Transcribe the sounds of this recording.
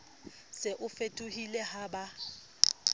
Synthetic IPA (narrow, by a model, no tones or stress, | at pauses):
sɪʔʊfetʼuhilɛhaːba